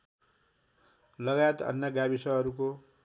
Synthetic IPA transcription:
lʌɡajet̪ʌ̰njʌɡabisʌʌɾuko

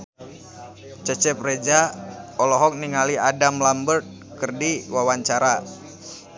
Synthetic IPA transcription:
t͡ʃət͡ʃəp̚red͡ʒaɔlɔɦɔk̚niŋaliadamlambərt̪̚ | kərdiwawaɲt͡ʃaɾa

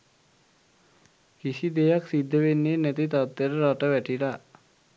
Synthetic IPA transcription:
kisid̪ejaksid̪ʱːəʋenːeːnæt̪it̪at̪ːeɾəɾaʈəʋæʈila

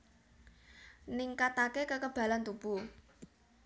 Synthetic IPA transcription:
nɪŋkat̪akekəkəb̥a̤lant̪ub̥u

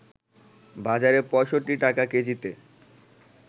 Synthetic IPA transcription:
bad͡ʑaɾepɔʃoʈːiʈakaked͡ʑit̪e

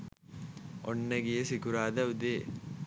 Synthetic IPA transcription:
ɔ̰ɳːɐɡijesikuɾaːd̪ɐud̪eː

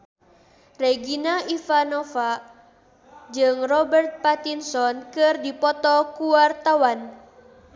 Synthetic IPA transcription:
reɡinaʔifanɔfa | d͡ʒɨŋrɔbɛrt̪̚pat̪insɔnkɨrdipɔt̪ɔkuwart̪awan

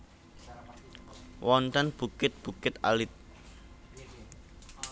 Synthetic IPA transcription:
wʔɔnt̪ɛnb̥ukɪt̪̚b̥ukɪt̪a̰lɪt̪̚

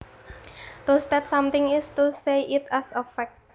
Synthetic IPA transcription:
t̪osd̪ɛtsãmt̪ɪ̃ŋɪst̪useʔɪt̪asəfɛk̚t

